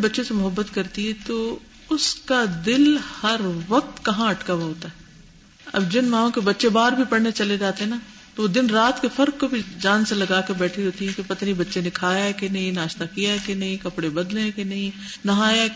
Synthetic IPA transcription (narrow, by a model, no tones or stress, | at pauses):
bɐtːʃesemʊɦəbːət̪kɐɾt̪iɦɛt̪o | ʊskad̪ɪlhɐɾʋɐq̚t̪kɐɦãɐʈkaoɦoːt̪aɦɛ | ɐ̰bd͡ʒɪnmãːõkebɐtːʃebaːɾbʱipɐɽ̤net͡ʃɐled͡ʒaːt̪eɦɛna | t̪ood̪ɪnɾaːt̪kefɐɾkːobʱid͡ʒaːnselɐɡaːkebɛːʈʰiɦoːt̪iɦɛ̃kepɐt̪nibɐtːʃenekʰaːjaɦɛkenɐɦĩnaːʃnakijaɦɛkenɐɦĩkɐpɽebɐd̪lẽɦɛ̃kenɐɦĩnɐɦaːja